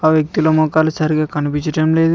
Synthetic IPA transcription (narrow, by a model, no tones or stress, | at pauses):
aːʋjɐk̚t̪iloːmɔːkaːlusɐɾiɡaːkɐnipiɲt͡ʃɐʈɐmle̞ːd̪u